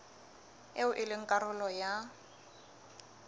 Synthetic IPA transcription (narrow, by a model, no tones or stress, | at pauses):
eʊʔɪlɪŋ̩kʼaɾʊlɔja